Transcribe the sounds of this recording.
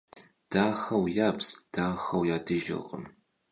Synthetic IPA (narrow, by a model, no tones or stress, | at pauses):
d̥aːxɐwjaːpsd̥aːxɐwjaːdɨʒɪ̰lqə̰m